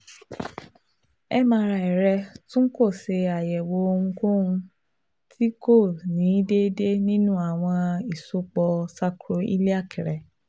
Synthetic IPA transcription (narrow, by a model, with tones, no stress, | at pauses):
ɛ˦mã˧˦˧ɾa˧˨i˨ɾɛ˧tũ˦n̩˦ko˦˨se˧a˨jɛ˨wo˨˦o˧ŋũ˧ko˦ũ˧ | tʰi˦ko˦˨nĩ˨˦de˦de˦nĩ˦nũ˦a˦˨w̃ɔ̃˧i˨so˨˦k͡pɔ˧sa˧kɾo˧ḭ˦li˦a˦˨kʰi˨ɾɛ˨